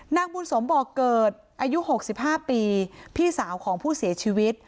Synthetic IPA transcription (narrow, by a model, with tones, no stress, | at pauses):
naː˧ŋ̚buː˧nso˩˦mbɔː˨˩kːɤː˨˩t̪̚ʔaː˧ju˦˥ho˨˩k̚si˨˩p̚haː˥˩piː˧pʰiː˥˩saː˩˦wkʰɔː˩˦ŋpʰuː˥˩si˩˦ɐt͡ɕʰiː˧wi˦˥t̪̚